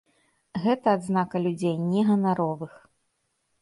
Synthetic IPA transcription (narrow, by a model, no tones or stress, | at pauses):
ɣɛt̪ɐːd̪znakɐlʲud͡zʲejnʲɛɣɐnaɾɔvɨx